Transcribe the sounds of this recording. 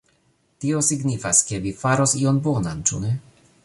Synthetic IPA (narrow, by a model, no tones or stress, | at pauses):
tio̞siɡnifaskevifaɾo̞sio̞nbonant͡ʃune